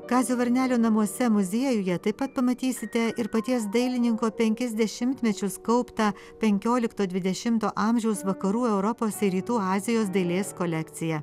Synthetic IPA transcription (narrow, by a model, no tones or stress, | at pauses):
ɡɑːzʲoːʋɐɾʲnʲæːlʲoːnɐmuɔsʲɛmʊzʲiɛjʊjɛt̪ɐɪpːɐt̪̚pɐmɐt̪ʲiːsʲɪt̪ʲɛɪɾpɐt̪ʲiɛsd̪ɐɪlʲɪnʲɪŋkoːpʲɛŋʲkʲɛzʲd̪ʲɛʃʲɪmʲt̪ʲmʲɛt͡ʃʲʊskɐʊpt̪ɐ | pʲɛŋʲkʲoːlʲɪkt̪oːd̪ʲʋʲɪd̪ʲɛʃʲɪmt̪oːʔɑːmʲʒʲɛʊsʋɐkɐɾuːɛʊɾɔpoːsɪɾʲiːt̪uːɑːzʲɪjoːsd̪ɐɪlʲeːskɔlʲɛkt̪sʲɪjɛ